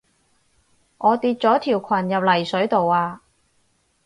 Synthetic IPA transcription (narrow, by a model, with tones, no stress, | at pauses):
ŋʔɔː˨˧t̪iː˧t̚t͡sɔː˨˥t̪ʰiː˨˩wkʰɐ˨˩njɐ˨p̚lɐ˨˩jsɵ˨˥ɥt̪o˨waː˧